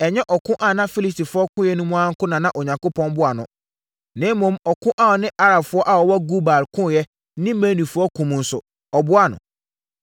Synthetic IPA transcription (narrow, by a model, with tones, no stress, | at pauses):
ɛ˨ɲɛ˦ʔɔ˨kʰʊ̃˦ʔã˨nã˦fi˦li˦sti˨fʊ˨˦ɔ˦kʰʊ̃˦jɛ˦nũ˦mũ˦a˦ŋ̩˦kʊ̃˦nã˨nã˦ʔo˨ɲã˨ŋko˦pʰɔ̃˦nbʊ˦a˨nʊ̰̃˨ | nẽ˦mõ˨˦mɔ˨kʰʊ̃˦ʔa˦˨nɪ̃˦ʔa˦ɾa˨bfʊ˦ɔ˦ʔa˨ɔ˨wɔ˦ɡu˦ba˨lkʰʊ̃˦˨jɛ˦ | nɪ̃˦mẽ˦nĩ˨fʊ˦ɔ˦kʰũ˨m̃˨n̩˨˦sʊ˨ | ɔ˨bʊ˦a˨nʊ̰̃˨